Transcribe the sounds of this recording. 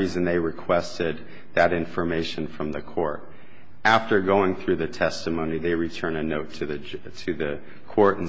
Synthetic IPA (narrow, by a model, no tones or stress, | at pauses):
izɨ̃nðeɪɹɨkʰw̥ɛstɪd̪̚ | ðɨɾɪ̃ɱfə˞meɪʃɨ̃nfɹʌ̃mðɨkʰɔɹɾ | æftə˞ɡoʊɪ̃ŋθɹʉðɨtʰɛstɨmõʊ̃niðeɪɹitʰɜ̃˞nɨnoʊtʰɨðɨ | tʰɨðɨ | kʰɔɹɾn̩